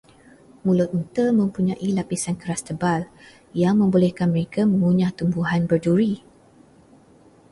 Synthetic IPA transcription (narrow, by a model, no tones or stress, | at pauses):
mũlʊt̪̚nit̪əmə̃mpuɲãʔilapisankəɾast̪əbal | jaŋmə̃mbolɛhkanməɾekamə̃ŋuɲãt̪umbuɦanbərduɾi